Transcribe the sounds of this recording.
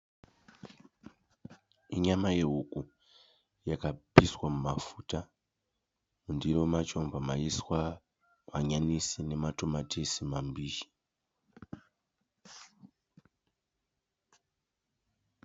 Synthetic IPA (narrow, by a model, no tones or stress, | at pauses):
iɲamaje̞ɦuku | jakapiswamumafuːta | mundiɾo̞mat͡ʃo̞mbʱamaiswa | maɲanisine̞matomatʰisimambiːʃi̥